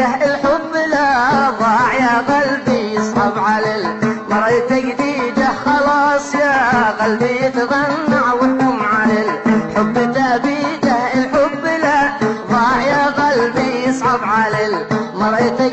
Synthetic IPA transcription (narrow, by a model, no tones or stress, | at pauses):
aɪlħʊbːɪlaðˤɑːʕjaɣɑlbijɪsˤʕɑbʕalɪlmɑɾˤʔɪt̪aɡd̪iːd͡ʒaxɑlɑːsˤjaːɣalbijɪt̪ðˤɑnːaʕwɪt̪ːʊmʕalɪlħʊbːɪt̪aʔbid͡ʒahɪlħʊbːɪlaðˤɑːʕjaɣɑlbijɪsˤʕɑbʕalɪlmɑɾˤʔɪt̪a